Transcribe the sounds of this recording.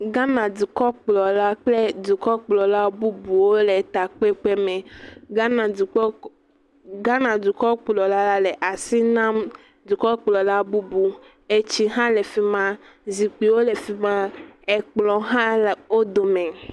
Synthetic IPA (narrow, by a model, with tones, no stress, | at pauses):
ɡa˦nã˨d̪u˨kɔ˦k͡plɔ˨la˦k͡ple˦d̪u˨kɔ˦k͡plɔ˨la˦bu˦bu˨wo˦le˨t̪a˨k͡pe˦k͡pe˦me˨ɡa˦na˨˦ | ɡa˦nã˨d̪u˨kɔ˦k͡plɔ˨la˦la˦le˨ʔa˨si˦nã˦m | d̪u˨kɔ˦k͡plɔ˨la˦bu˦bu˨ | e˨t͡ɕi˦ɦã˦le˨fi˦mã˦ | zi˨k͡pi˨wo˦le˨fi˦mã˦e˨k͡plɔ˨ɦã˦˨wo˦d̪o˨me˨